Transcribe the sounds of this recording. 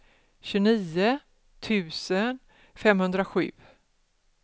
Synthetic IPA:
ɕʉniːə | t̪ʰʉ̟ːsən | fɛmhɵnd̪ɾaɧʉ̟̰ː

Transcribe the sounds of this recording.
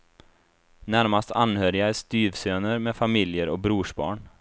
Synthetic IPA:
næɾmast̪ʰa̰nhøːɾɪaæɾst̪yːvsøːnəɾmeːfamɪljəɾɔk̚bɾuːʂbɑ̰ːɳ

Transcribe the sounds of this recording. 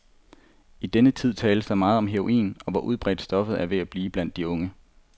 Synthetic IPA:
id̥enət͡sʰið̰ˠt͡sʰɛːləsd̥ɑ̈ɪmɑ̈ːð̩ˠɒ̽mɦeʁo̝ʔḭːnɒ̽ʋɒʔuð̞ˠb̥ʁɛ̰ːd̥sd̥ɒ̽fð̩ˠæɐʋe̝æb̥liːb̥læn̰d̥iɔ̽ŋə

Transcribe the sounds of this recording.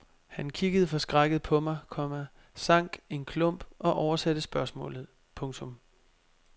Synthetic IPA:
hænkʰiɡ̥əð̞̩ˠəfɒ̽sɡ̥ʁɑɪɡ̥əð̩ˠpʰɒ̽mɑ̈ɪkʰɒ̽mæ | sɑ̈ŋ̰ɡ̥e̝nkʰlɔ̽m̰b̥ʔɒ̽ʔɒʊɐsæd̥əsb̥ɶɐsmɔ̰̽ːlð̞̩ˠ | pʰɔ̽ŋt͡sʰɔ̽m

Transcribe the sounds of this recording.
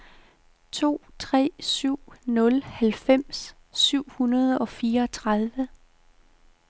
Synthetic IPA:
t͡sʰo̝̰ːt͡sʰʁɛ̰ːsyʊ̰nɔ̽lhælfem̰sː | yʊ̰hunɐð̞ˠɒ̽fiːɐɒt͡sʰʁɑð̞ˠʋə

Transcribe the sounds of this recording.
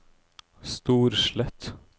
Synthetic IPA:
st̪uːɾʃɭɛt̪

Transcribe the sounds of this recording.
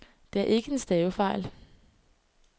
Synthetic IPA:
d̥e̝æɐʔe̝ɡ̥əe̝nsd̥ɛːʊfɑ̈ɪ̰l

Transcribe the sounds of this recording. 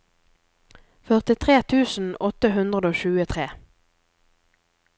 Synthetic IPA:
fœʁt̪ɪt̪ʰʁeːt̪ʰʉːsn̩ɔt̪əɦʉnd̪ʁəd̪oːʃʉːət̪ʰʁeː

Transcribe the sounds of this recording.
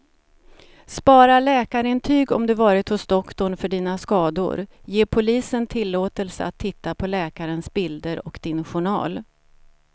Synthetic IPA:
spɑːɾaɭɛːkaɾɪnt̪ʰyːɡɔ̰md̪ɵvɑːɾɪt̪hʊsd̪ɔkt̪ɔɳfœɖiːnaskɑːd̪ʊ̰ɾjeːpʰʊliːsənt̪ʰɪlːoːt̪əlsə̰at̪ʰːɪt̪ːapʰɔlɛːkaɾənsbɪld̪əɾɔkd̪̥ɪnɧʊɳɑ̰ːl

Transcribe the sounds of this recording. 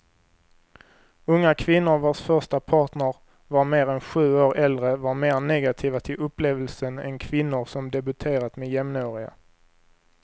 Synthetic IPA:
ɵŋːakʰvɪnːʊɾvoːʂfœʂʈapʰɑːʈɳəɾ | vaɾmeːɾɛnɧʉ̟ːoːɾɛld̪ɾəvaɾmeːɾnɛɡat̪ʰiːvat̪ʰɪlʔɵpːleːvəlsənɛ̰nkʰvɪnːʊɾsɔmd̪ɛbɵt̪ʰeːɾat̪mejɛmnoːɾɪa̰

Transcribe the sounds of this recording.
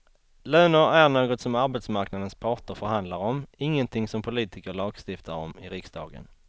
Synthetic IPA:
løːnəɾæɾɳoːɡɔt̪sɔmaɾbɛt̪smaɾknad̪ənspʰɑːʈəɾfœɾhand̪laɾɔmɪŋːənt̪ʰɪŋsɔmpʰʊliːt̪ɪkəɭɑːɡst̪ɪft̪ʰaɾɔmɪɾɪksd̪ɑ̰ːɡə̰n

